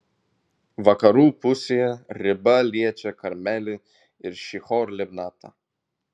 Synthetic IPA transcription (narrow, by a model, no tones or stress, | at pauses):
ʋɐkɐɾuːpʊsʲejɛɾʲɪbɐlʲiɛt͡ʃʲɛkɐɾʲmʲɛlʲɪ | ɪɾʃʲixɔɾlʲɛbnɑːt̪ɐ̰